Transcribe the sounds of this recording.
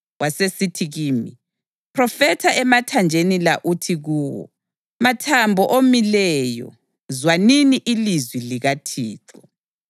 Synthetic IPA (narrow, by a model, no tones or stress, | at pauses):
wasesitʰiɣiːmi | pʰrɔfɛtʰaʔɛmatʰand͡ʒʱenilaʔutʰiɣuːwɔ̰ | matʰambʱɔʔomilɛjɔ̰ | zwaniniʔilizwiliɣatʰiːtʰɔ